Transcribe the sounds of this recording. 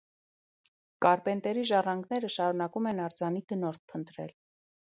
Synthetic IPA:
kɑɾpɛnt̪ɛɾiʒɑrɑŋɡnɛɾəʃɑɾunɑkumɛnɑɾd͡zɑniɡ̪ənɔɾt̪̚pʰənt̪ɾɛ̰l

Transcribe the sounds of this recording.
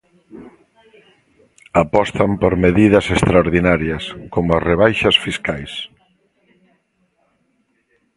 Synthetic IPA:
apɔst̪ɐmpoɾmeðiðɐsest̪ɾaoɾðinaɾjɐskomʊazreβ̞ajʃɐsfiskajs

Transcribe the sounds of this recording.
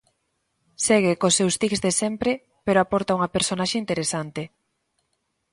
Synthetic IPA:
seɣ̞ekosːewst̪ikzðesɛmpɾe | peɾoapɔɾt̪auŋɐpeɾsonaʃeint̪eɾesant̪ɪ

